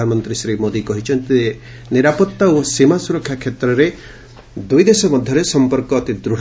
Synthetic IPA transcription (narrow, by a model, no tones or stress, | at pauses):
anɔmɔnt̪ɾisɾimod̪ikɔɦit͡ʃʰɔnt̪i | niɾapɔt̪ːaosimasuɾɔkʰːjakʰːet̪ɾɔɾe | d̪ujd̪esɔmɔd̪ʱjɔɾesɔmpɔɾkɔːt̪id̪ɾuɽ